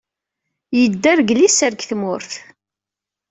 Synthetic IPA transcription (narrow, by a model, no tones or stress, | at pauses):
jəd̪ːæɾɡlisəɾkθmʊɾθ